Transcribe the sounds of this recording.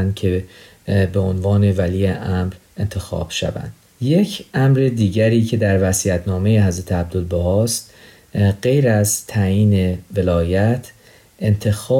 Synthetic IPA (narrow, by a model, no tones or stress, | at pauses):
nd̪̥̚cʲʰe̞ | beonvɒːne̞væliːeʔæmɾ | e̞nt̪ʰe̞xɒ̰ːb̥ʃæ̰væ̰nd̪ | je̞cʰʔæmɾed̪iːɟæɾiːcʰe̞d̪æɾvæsiːæt̪ʰnɒːme̞jeɦæzɾæt̪ʰeæb̚d̪olboɦɒst̪ | ɢe̞jɾæzt̪ʰæjiːne̞ve̞lɒːjæt̪ʰ | e̞nt̪ʰe̞xɒː